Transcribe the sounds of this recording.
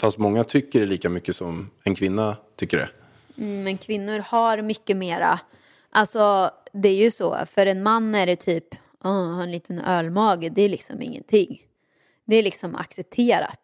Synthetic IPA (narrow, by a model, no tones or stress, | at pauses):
fast̪mɔŋːat̪ʰʏkːəɖɛɭiːkamʏkːəsɔmɛnkʰvɪnːat̪ʰʏkːəɖɛ̰ | mɛnkʰvɪnːʊɾhaɾmʏkːəmeːɾa̰ | ʔalsɔd̪ɛæɾjɵsɔ̰ːfœɾɛnmanːæɾt̪ʰyːp | ʔɔhaɾɛnliːt̪ʰənœːlmɑːɡəd̪ɛːlɪksɔ̰mɪ̰ŋːə̰nt̪ʰɪŋː | d̪ɛælɪksɔma̰ksɛp̚t̪ʰeːɾa̰t̪